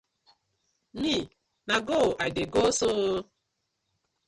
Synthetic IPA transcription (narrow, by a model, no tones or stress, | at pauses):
ni | naɡoʔadeɡoso